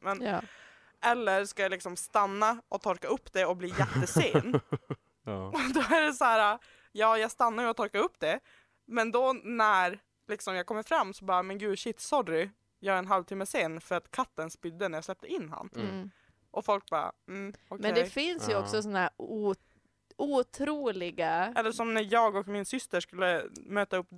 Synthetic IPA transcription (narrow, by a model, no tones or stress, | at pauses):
mɛn | ʔɛlːəɾʂkajalɪksɔmst̪anːaʔɔt̪ʰɔɾkaɵpːd̪ɛɔbliːjɛt̪ːəseːn | ɔd̪ɔæɖɛsæːɾa | jɑːjɑɡst̪anːaɾjɔt̪ʰɔɾkaɵpːd̪ɛ | mɛnd̪ɔnæɾ | lɪksɔmjaɡkʰɔmːəɾfɾamːsɔbɑːɾamɛnɡʉ̟ːd̪ɕɪt̪ːsɔɾːɪ | jɑːæɾɛnɦalvt̪ʰɪmːəsenːfœɾat̪kʰat̪ːənspʏd̪ːənæɾjaːslɛp̚t̪ʰəʔɪnːɦa̰nː | ʔɔfɔlk̚bɑ̰ːɾ̰m̩ɔkmɛnɛd̪ɛfɪnsjɵɔksɔsɔnæːuː | uːt̪ʰɾuːlɪɡaɛlːəʂɔmnæɾjɑːɡɔkmɪnsʏst̪əʂkɵlːəmøːt̪aɵp̪ː